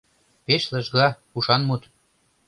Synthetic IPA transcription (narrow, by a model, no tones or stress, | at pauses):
peʃlə̆ʒɣɑ | uʃɑnmut̪